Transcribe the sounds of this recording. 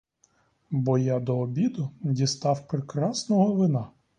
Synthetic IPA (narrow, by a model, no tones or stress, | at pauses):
bɔjad̪ɔːbʲid̪ʊdʲist̪ɑwpɾekɾɑsnɔɦɔʋɪnɑ